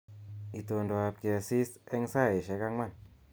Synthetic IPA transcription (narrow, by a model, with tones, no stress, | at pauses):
i˨t̪o˨˧ndɔ˧˨a˧p̚kɛ˧si˦sɛ˧ŋsa˦˨e˨ʃɛ˨˧˦ka˧˦ŋma˧˨n